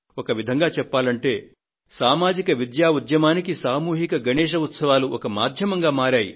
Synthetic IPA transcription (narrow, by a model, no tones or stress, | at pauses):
ɔkɐʋid̪ʱɐŋɡaːt͡ʃɛpːaːlɐɳʈe̞ː | saːmaːd͡ʒikɐʋid̪jaːʋud̪ʱjɐmaːnikisaːmuːɦikɐɡʱɐɳɛːʃ̬ɐut̪sɐʋaːluʔɔkɐmaːd̪ʱjɐmɐŋɡaːmaːɾaːji